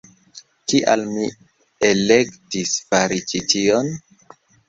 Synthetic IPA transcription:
kiʔa̰lmi | ele̞ktisfaɾit͡ʃitio̞n

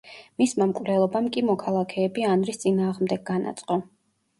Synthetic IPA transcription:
mismamkʼvɾɛlˠɔbamkʼimɔkʰalˠakʰɛːbianɾist̪sʼinaːʁmd̪ɛɡ̚ɡana̰t̪sʼqʼɔ

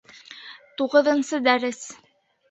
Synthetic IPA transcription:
t̪uʁɤ̆ðɤ̆nsɤd̪æɾɘs

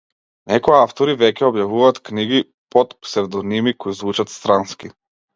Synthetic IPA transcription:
nɛkɔjaaft̪ɔɾivɛkʲɛɔbjavuvaːt̪kniɡi | pɔt̪psɛvd̪ɔnimikoizvut͡ʃat̪st̪ɾanski

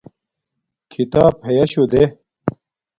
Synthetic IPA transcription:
kʰit̪aːphejɐɕud̪e

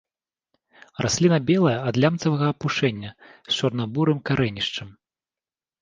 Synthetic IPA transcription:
rasʲlʲinɐbʲɛlˠɐjɐɐd̪lʲamt̪sɐvɐɣɐːpuʂɛnʲːɐst͡ʂɐrnabuɾɨmkaɾʔɛnʲiʂt͡ʂɐm

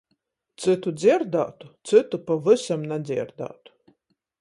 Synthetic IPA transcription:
t̪sɨt̪ud̪zʲiɾd̪a̰ːt̪u̥t̪sɨt̪upavɨsamnad̪zʲiɾd̪a̰ːt̪u̥

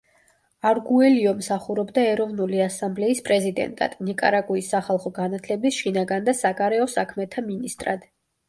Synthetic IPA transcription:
aɾɡuɛliɔmsaχuɾɔbd̪aɛɾɔvnuliasamblɛispʼɾɛzid̪ɛ̰nt̪ʼa̰d̪̥nikʼa̰ɾakʼuisːaχalˠχɔɡanat̪ʰlɛbisʃinaɡand̪asaɡaɾɛɔsakʰmɛt̪ʰaminist̪ʼɾad̪̥

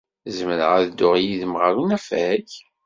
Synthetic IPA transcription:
zəməɾəʁæðd̪ːʊʁjiðəmʁaɾunæfæç

